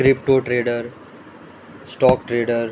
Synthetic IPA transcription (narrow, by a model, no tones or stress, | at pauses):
kɾɪpʈoːʈɾeːɖəɾ | sʈɔːkʈɾeːɖəɾ